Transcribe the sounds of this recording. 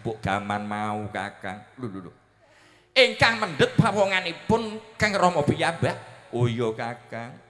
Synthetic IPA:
bʊʔɡ̥amanmauka̰kaŋlululṵ | ʔiŋkaŋmənɖət̪̚papɔŋanepʊnkaŋrɔhmɔpijabaʔojɔkakaŋ

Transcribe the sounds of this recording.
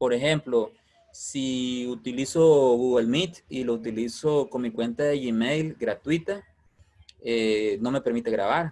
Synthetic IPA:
poɾexemplo | siut̪ilisoɣuɣelmit̪ilout̪ilisokoŋmikwent̪aðeʝimejlɡɾat̪wit̪a | enome̞pe̞ɾmit̪eɣɾa̰βaɾ

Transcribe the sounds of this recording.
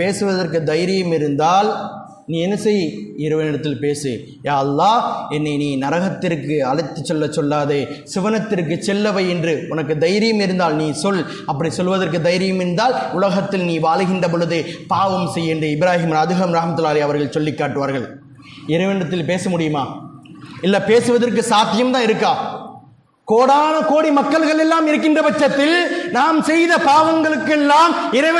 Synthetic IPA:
peːsɯʋɐðɐrkɯd̪ɐjɾɪjɯmɪɾɯnd̪aːl | niːɛnːɐsɛjːiɪɾɯʋɐnɪɽɐt̪ːɪlpeːsɯ | jaːɐlːaːɛnːɐɪniːnɐɾɐɣɐt̪ːɪrkːɯɐɭɐɪt̪ːɯt͡ʃːɔlːɐt͡ʃːɔlːaːðeːsɪʋɐnɐt̪ːɪɾkːɯt͡ʃːɛlːɐʋɐɪɛndrɯʊnɐkːɯd̪ɐjɪɾɪjɯmɪɾɯnd̪aːlniːsɔl | ɐpːɐɽisɔlːʋɐðɐrkɯd̪ɐjɾɪjɯmɪɾɯnd̪aːlʊlɐɣɐt̪ːɪlniːʋaːlɣɪndrɐp̬ɔɻɯðɯpaːʋɐmsɛjːɛndrɯɪbɪɾaːɦɪmɾaðɯɣɐmɾɐhmɐt̪ːɯlaːlɐjɐʋɐɾɣɐɭsɔlːɪkːaːʈːɯʋaːɾɣɐɭ | ɪɾɐɪʋɛnɐt̪ːɪlpeːsɐmʊɽɪjɯmaː | ɪlːɐpeːsɯʋɐðɐrk̬ːɯsaːkːɪjɐmt̪ãːɪɾɯkːaː | koːɽaːnɐkoːɽimɐkːɐɭɣɐɭɛlːaːmɪɾɯk̬ːɪndrɐbɐt͡ʃːɐt̪ːɪlnaːmsɛjðɐpaːʋɐŋɡɐɭɯkːɛlːaːmɪɾɐɪ

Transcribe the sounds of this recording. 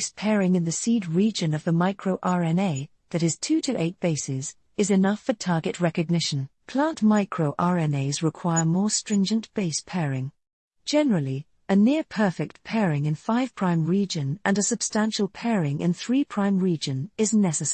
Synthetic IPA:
spʰɛɹɪ̃ŋɨ̃nðɨsid̚ɹid͡ʒɨ̃nʌvðəmaɪkʰɹ̥oʊʔɑɹɛ̃neɪ | ðɨɾɨz̥tʰʉɾɨʔeɪt̚b̥eɪsɪz̥ | ɨzɨnʌfə˞tʰɑɹɡɨʔ̚ɹɛkɨɡ̚nɪʃɨ̃npʰl̥æ̃nʔmaɪkʰɹoʊʔɑɹɛ̃neɪzɹɨkʰw̥aɪəmɔɹstɹ̥ɪ̃nd͡ʒɨ̃nʔb̥eɪspʰɛɹɪ̃ŋ | d̥ʒ̥ɛnəɹəlˠi | ɨnɪɹpʰɜ˞fɪk̚t̚pʰɛɹɪ̃ŋɨ̃nfaɪv̥pʰɹ̥ãɪ̃mɹid͡ʒɨ̃nʔɨ̃nɨsɨb̥stæ̃nʃəl̩ˠpʰɛɹɪ̃ŋɨ̰̃nθɹipʰɹ̥ãɪ̃mɹid͡ʒɨ̃nɪznɛsɨs

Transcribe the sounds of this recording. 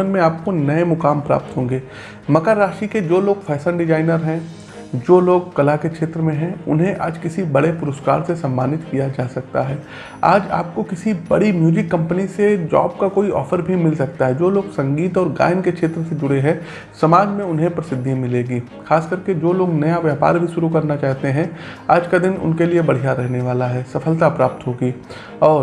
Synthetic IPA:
ənmẽaːp̚konɐemʊkaːmpɾa̰ːp̚t̪ɦõːŋɡeː | mɐkəɾːaːʃiked͡ʒoːloːɡfʰɛːsə̃ɳɖɪd͡ʒaːɪnəɾɦɛ̃ | d͡ʒoːloːɡkɐlakekʃʰeːt̪ɾəmẽɦɛ̃ʊ̰nɦẽʔaːd͡ʒkɪsibɐɽepʊɾəska̰ːɾsesɐ̃mːaːnɪt̪kijad͡ʒaːsɐk̚t̪aɦɛː | a̰ːd͡ʒa̰ːp̚kokɪsibɐ̰ɽimjuːd͡ʒɪkːɐ̃mpənised͡ʒɔ̰ːb̚kakoːiʔɔ̰ːfəɾbʱimɪlsɐk̚t̪aɦɛd͡ʒoːloːɡsɐ̃ŋɡiːt̪ɔːɾɡa̰ːɪnkekʃʰeːt̪ɾəsed͡ʒʊɽeɦɛ̃ | sɐmaːd͡ʒmẽʊnɦẽpɾɐsɪd̪ʱːimɪleːɡiː | xʰaːskɐɾked͡ʒoːloːɡnɐjaʋjəːpa̰ːɾbʱiʃʊɾukɐɾnat͡ʃaːɦt̪eɦɛ̃ | aːd͡ʒkad̪ɪnʊ̰nkeliebɐɽ̤ijaɾɛɦneʋaːlaɦɛːsɐfʰəlt̪apɾaːp̚t̪ɦoːɡiː | ɔːɾ

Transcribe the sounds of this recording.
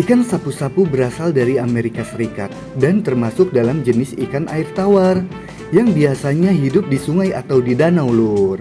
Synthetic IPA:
ʔikansapusapubəɾasaldaɾiameɾikasəɾikat̪̚dant̪ərmasʊk̚dalamd͡ʒənɪsikanʔaɪrt̪awar | jaŋbiasaɲaɦidʊp̚disuŋaja̰t̪awdidanawlʊr

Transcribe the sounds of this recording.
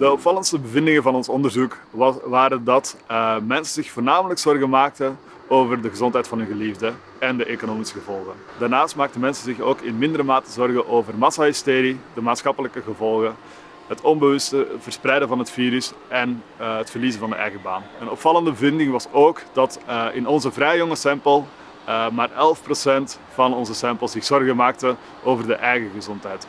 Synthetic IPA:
d̥əɔpfɑlˠəntstəbəvɪndɪŋəvɑnɔnsɔndərzukʋaːɾəndɑtmɛnsəzɪxfoːrnaːmələksɔrɣəmaːk̚tə | oːvərdəɣəzɔntɦɛjtfɑnɦɵnɣəlivdə | ɛndəʔekonoːmisəɣəvɔlˠɣən | daːrnaːstmaːk̚təmɛnsənzɪxoːkɪnmɪndəɾəmaːtəzɔrɣəʔoːvərmɑsaɦɪsteːɾidəmaːtsxɑpələkəɣəvɔlˠɣən | ɦətʰɔmbəʋɵstəv̥ərsprɛjdəvɑnɦətfiːɾʏs | ɛn | ətfərliːzənvɑndə̰ʔɛjɣəba̰ːnənɔpfɑlˠəndəbəvɪndɪŋʋɑsoːkd̥ɑtɪnɔnzəvrɛjjɔŋəsɛmpəlˠ | maːrɛlˠfprosɛnt | fɑnɔnzəsɛmpəlˠsz̥ɪxz̥ɔrɣəmaːk̚tə | ʔoːvərdəʔɛjɣəɣəzɔntɦɛjt

